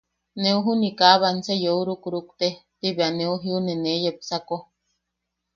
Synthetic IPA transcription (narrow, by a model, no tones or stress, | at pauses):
neuɦunikaβansejouɾukuɾukt̪et̪iβeaneuɦiunenejepsako